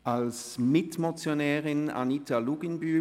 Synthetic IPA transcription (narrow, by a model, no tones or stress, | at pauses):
ʔals | mɪtmot͡sjonɛːʁɪna̰nitaluɡɪnbyː